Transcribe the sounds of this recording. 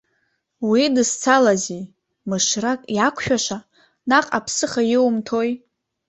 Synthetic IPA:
widɨst͡sʰalazi | mɨʃrakʼjakʷʰʃᶣaʃʷa | naqʼapʰsɨχajɪwmtʰoj

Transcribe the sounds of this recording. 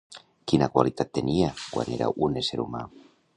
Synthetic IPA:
kinakwalit̪at̪ːeniakwa̰neɾa̰ʔuneseɾuma

